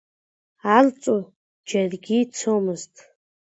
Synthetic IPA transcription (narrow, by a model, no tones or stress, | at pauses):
alt͡sʼu | d͡ʒarɡʲit͡sʰomɨztʼ